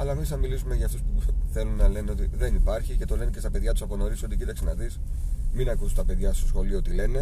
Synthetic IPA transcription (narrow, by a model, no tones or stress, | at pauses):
ɐlɐemisɐmilisumeʝɐft̪e̞spuθe̞lunːɐle̞neo̞t̪iðe̞nipɐɾçice̞t̪o̞le̞nece̞st̪ɐpe̞ðʝɐt̪u̥sɐponoɾiso̞t̪icit̪ɐksenɐðisminɐkust̪ɐpe̞ðʝɐst̪osxo̞lioot̪ile̞ne̞